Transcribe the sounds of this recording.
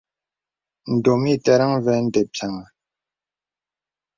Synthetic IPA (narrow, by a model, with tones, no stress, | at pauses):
n̩˨do˨mi˦˨tɛ˨ɾa˦ŋvɛ˨n̩˦de˨pʰja˨ŋa˨